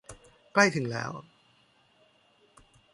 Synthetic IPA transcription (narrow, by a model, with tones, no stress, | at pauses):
kla˥˩jt̪ʰɯ˩˦ŋlɛ̰ː˦˥w